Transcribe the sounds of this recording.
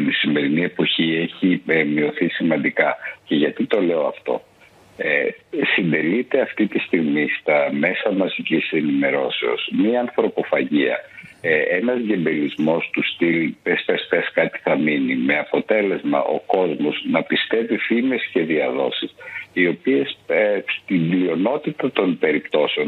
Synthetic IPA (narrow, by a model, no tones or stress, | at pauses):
isime̞ɾinie̞po̞çie̞çimio̞θisimɐnd̪ikɐce̞ʝɐt̪it̪o̞le̞o̞ɐft̪o̞̰ | esind̪e̞lit̪e̞ɐft̪it̪ist̪iɣmist̪ɐme̞sɐmɐzicisenime̞ɾo̞se̞o̞smiɐnθɾo̞po̞fɐʝiɐ̰ | enɐzʝe̞mbe̞lizmo̞st̪ust̪ilpespespeskɐt̪i̥θɐminime̞ɐpo̞t̪e̞le̞zmɐ̰ʔo̞ko̞zmo̞znɐpist̪e̞vifime̞sce̞ðiɐðo̞̰sisio̞pie̞sst̪iɲlio̞no̞t̪it̪ɐt̪o̞nbe̞ɾipt̪o̞se̞o̞n